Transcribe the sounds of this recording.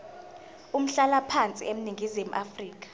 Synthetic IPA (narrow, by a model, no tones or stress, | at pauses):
um̩ɬalapʰant͡sʼḭem̩niŋɡʱizimuʔafriːk̬ḁ